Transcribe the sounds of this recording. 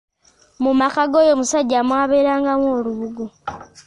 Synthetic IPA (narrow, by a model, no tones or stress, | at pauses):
mumakaɡo̞jo̞musaɟamwaːβeːɾaːŋɡamwoːluβuɡu